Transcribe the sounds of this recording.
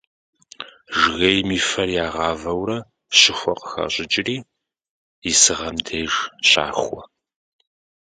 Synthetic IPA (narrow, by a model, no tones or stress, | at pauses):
ʒɣejmiːfɐrjaːʁɑːvɐwɾɐ | ɕɪxʷɔqə̥xɐ̰ɕʼɪd͡ʒʼɪriː | isɨʁɐmdʰeːʒɕa̰ːxʷɔ